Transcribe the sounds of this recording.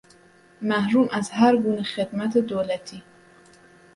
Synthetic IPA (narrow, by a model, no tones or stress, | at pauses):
mæhɾuːmʔæzhæɾɡuːnexed̪mæt̪ʰed̪oːlæt̪ʰiː